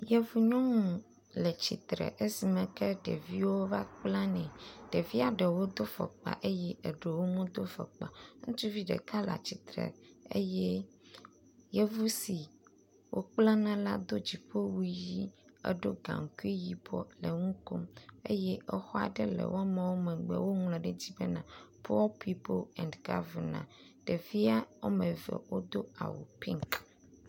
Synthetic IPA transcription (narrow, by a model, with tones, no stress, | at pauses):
jɛ˦vu˦ɲɔ̃˦ŋũ˨ | lɛ˨t͡ɕḭ˨t̪ɾɛ̰˨ʔe˦si˨mɛ̃˨kɛ˦ɖɛ̰˨vi˦wo˦va˦k͡plã˦nɛ̃˨ɖ̥e˨vi˦a˨ɖɛ˨wo˦d̪o˦fɛ̰˨k͡pa̰˨ʔe˦jɛ˦ʔe˨ɖe˨wo˦mũ˦d̪o˦fɛ̰˨k͡pa˨ŋũ˦t͡ʃu˦vi˦ɖɛ̰˨ka˦la̰˨t͡ɕi˨t̪ɾɛ̰˨ḛ˦jɛ˦ | je˦vu˦si˨ | wʔo˦k͡plã˦nã˦la˦d̪o˦d͡ʑi˨ɸe˦wu˦ji˦ḛ˦ɖo˦ɡã̰˨ŋ˨ku˦i˦ji˨bɔ̰˦le˨ŋũ˦ko˦me˦jɛ˦ʔɛ˦xɔ˦a̰˨ɖɛ˦lɛ̰˨wɔ˦mɛ̃˨wo˦mɛ̃˨ɡ͡bɛ̰˨wo˦ŋlɛ̃˨ɖɛ˦d͡ʑi˦be˦nã˨pʰɔ˦lpʰi˦po˦lɛ̰̃˨ndɡa̰˦vɛ˨nã̰˨ɖ̥e˨vi˦a˦wo˦mẽ˨vɛ̰˨wo˦d̪o˦a̰˨wṵ˨pi˦ŋk